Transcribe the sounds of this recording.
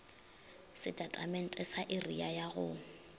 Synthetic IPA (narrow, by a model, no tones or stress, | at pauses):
sɪtʼatʼamɛn̩tʼɛsaʔɪriajaɣʊ